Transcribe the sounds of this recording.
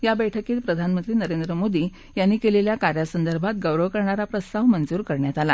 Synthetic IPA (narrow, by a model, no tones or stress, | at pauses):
jabəjʈʰəkiːt̪pɾəd̪ʱanmənt̪ɾiːnəɾend̪ɾəmod̪iː | janːiːkeleljakaɾjasənd̪əɾbʱat̪ɡəʋɾəʋkəɾɳaɾapɾəst̪aʋmənd͡zuːɾkəɾɳjat̪ala̰